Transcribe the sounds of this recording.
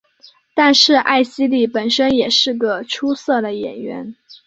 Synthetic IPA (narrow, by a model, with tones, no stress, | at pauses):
t̪a˥˧nʂɻ̩˥˧ʔa̰˥˩ɪɕi˥li˥˩pə˨˩nʂə˥njɛ˨˩ʂɻ̩˥˩ɡə˩ʈ͡ʂʰu˥sɤ˥˩d̪ə˩jɛ̰˨˩nɥɛ̰˧˥n